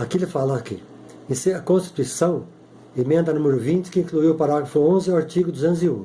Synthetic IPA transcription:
akilɪfalɐkɪ̰ | ĩseɐkõst͡ʃ̪i̥t̪uisɐ̃w̃ | emẽnd̪ɐnũmɪɾʊvĩt͡ʃɪ̥kɪĩkluiwʊpaɾaɡɾɐfʊõzɪwaɾt͡ʃiɡʊd̪uzẽnt̪ʊziũ

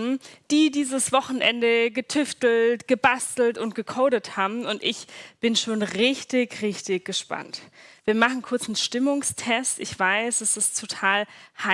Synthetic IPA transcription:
nd̥iːdiːzəsv̥ɔχn̩ʔɛ̰ndəɡətʰʏftl̩tɡ̥əbastl̩tʊntɡ̥əkʰoʊɾəthaːbm̩ʊntʔɪçb̥ɪnʃoːnʁɪçtɪçʁɪçtɪçɡ̥əʃpa̰ntv̥iːɐmaχn̩kʰʊɐt͡sn̩ʃtɪmʊŋstʰɛstɪçv̥aɪsɛsɪstʰotʰaːlha

